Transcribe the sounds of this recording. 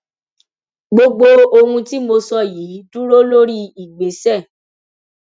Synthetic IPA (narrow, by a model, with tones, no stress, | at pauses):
ɡ͡bo˧ɡ͡bo˧o˧hũ˧ti˦mo˧sɔ˦˨jiː˨˦du˦ɾo˦lo˦ɾi˦i˨ɡ͡be˨˦sɛ˦˨